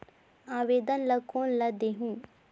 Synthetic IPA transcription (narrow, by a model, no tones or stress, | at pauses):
aːʋeːd̪ənlɐkoːnlɐd̪eːɦũː